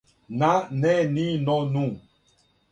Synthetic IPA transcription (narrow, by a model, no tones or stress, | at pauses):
nanɛninɔnũ